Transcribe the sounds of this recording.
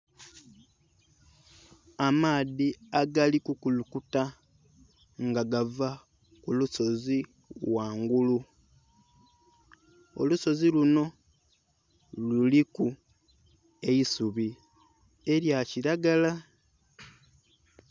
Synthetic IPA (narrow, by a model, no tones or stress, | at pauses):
amaːðiaɡalikukulukuta | ŋɡaɡava | kuluso̞zi | waːŋɡulu | o̰luso̞ziluno̞ | luliku | eisuβi | e̞ɾjaciɾaɡala